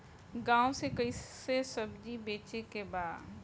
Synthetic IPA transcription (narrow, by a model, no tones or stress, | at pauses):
ɡãːõsekəisesəbd͡ʒibeːt͡ʃekebaːd̪